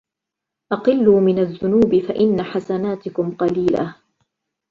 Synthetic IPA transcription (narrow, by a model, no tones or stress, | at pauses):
ʔɑqɨlːuːmɪnaðːʊnuːbɪfaʔɪnːaħasanaːt̪ɪkʊmqɑliːla̰